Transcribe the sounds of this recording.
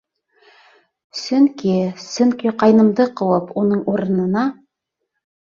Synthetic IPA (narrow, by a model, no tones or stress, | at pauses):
sɵŋkisɵŋkiqɑjnɤ̆md̪ɤqɤ̆wɤpunɤɴʔuɾɤ̆nɤ̆nɑ